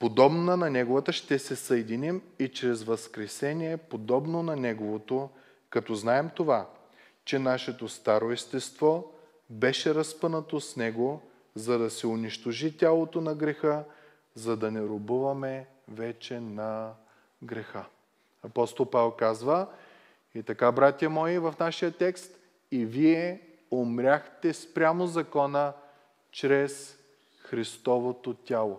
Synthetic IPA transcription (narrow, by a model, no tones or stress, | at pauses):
pod̪ɔbnənɐnɛɡovət̪əʃt̪ɛsɛsɐɛd̪inimit͡ʃɾɛzvɐskɾɛsɛnʲiɛpod̪ɔbnonɐnɛɡovot̪o | kɐt̪ɔznaɛmt̪ova | t͡ʃɛnaʃɛt̪ost̪aɾoist̪ɛst̪vɔ | bɛʃɛɾɐspənət̪osnɛɡo | zɐd̪ɐsɛʊniʃt̪oʒit̪ʲalˠot̪onɐɡɾɛxə | zɐd̪ɐnɛɾobuvɐmɛ | vɛt͡ʃɛnɐ | ɡɾɛxə | ɐpɔst̪olˠpavɛlˠkazvə | it̪ɐkabɾat̪ʲjɐmɔivɐfnaʃijət̪ɛkst̪ | iviɛ | omɾʲaxt̪ɛspɾʲamozɐkɔnə | t͡ʃɾɛs | xɾist̪ɔvot̪ot̪ʲalˠo